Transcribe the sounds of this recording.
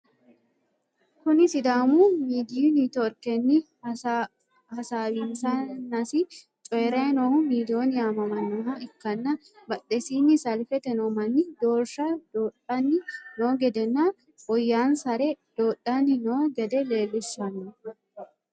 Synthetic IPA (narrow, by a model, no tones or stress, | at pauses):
kʊnɪsɪd̪aːmuːmiːd̪iiniːt̪ɔɾkɛnːɪ | hɐsaːbinsɐnːɐsɪ | t͡ʃʼɔjɛɾɐnohʊmiːd̪oːnɪamɐmɐnːɔɦɐɪkːɐnːɐ | bɐᶑɛsiːnːɪsɐlfɛt̪ɛnomɐnːɪd̪oːɾʃɐd̪oːᶑɐnːɪnoːɡɛd̪ɛnːa | ʔɔjːaːnsɐɾɛd̪̥oːᶑːɐnɪnoːɡɛd̪ɛle̞ːlːɪʃːɐnːɔ